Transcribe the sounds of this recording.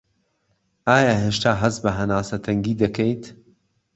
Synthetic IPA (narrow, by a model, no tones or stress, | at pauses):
ʔaːjaːɦeːʃt̪aːɦɐzbɐɦɐnaːsɐt̪ʰɐŋɡiːd̪ɐkʰejt̪